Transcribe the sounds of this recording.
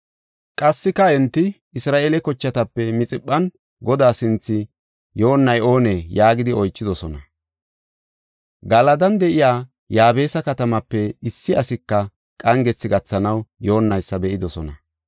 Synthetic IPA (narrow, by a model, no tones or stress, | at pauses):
kʼɐsːɪkɐɛnt̪ːɪ | ɪsɾaːʔeːlɛkɔt͡ʃːɐt̪ɐpːɛmɪt͡sʼɪɓːɐn | ɡɔd̪aːsɪnt͡sːɪ | jo̞ːnːɐjo̞ːnejaːɡɪd̪ɪɔjt͡ʃːɪd̪ɔsɔnɐ | ɡɐlɐd̪ɐnd̪ɛʔɪjaː | jaːbe̞ːsɐkɐt̪ɐmɐpːɛɪsːɪɐsɪkːɐ | kʼɐŋɡɛt͡sːɪɡɐt͡sːɐnɐwjo̞ːnːɐjsːɐbɛʔɪd̪ɔsɔnɐ̰